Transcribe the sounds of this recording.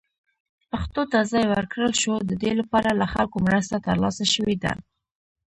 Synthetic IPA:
paxt̪ot̪azɑjwəɾkɽəlʃod̪əd̪elapɑɾalaxalkomɾəst̪at̪əɾlɑsaʃəwed̪a̰

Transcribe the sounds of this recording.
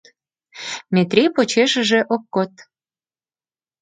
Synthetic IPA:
mʲet̪rʲipot͡ɕeʃə̆ʒeʔokːot̪̚

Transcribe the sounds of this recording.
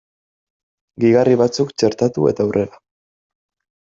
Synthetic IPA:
ɡiɣariβat͡sukt͡ʃe̞ɾt̪at̪ue̞̰t̪awrʔe̞ɾa

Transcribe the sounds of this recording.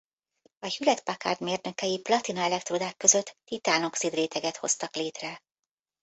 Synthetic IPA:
ɒhylɛt̪paka̰ːrd̪meːrnøkɛjiplɒt̪inɒɛlɛkt̪rod̪aːkːø̞zø̞t̪ːit̪aːno̞ksid̪reːt̪ɛɡɛt̪ho̞st̪ɒkleːt̪rɛ

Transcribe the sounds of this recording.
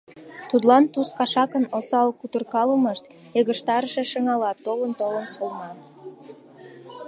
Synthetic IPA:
t̪ut̪lɑnt̪uskɑʃɑkənosɑlkut̪ərkɑləməʃt̪ | eɣəʃt̪ɑɾəʃeʃəŋɑlɑt̪ːolənt̪olənsolnɑn

